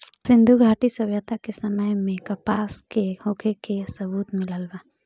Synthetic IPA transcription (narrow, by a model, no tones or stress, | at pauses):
sɪ̃nd̪ʱuɡʱaːʈisɐbjət̪akesɐməjmẽkɐpaːskehoːkʰekesəbuːt̪mɪləlba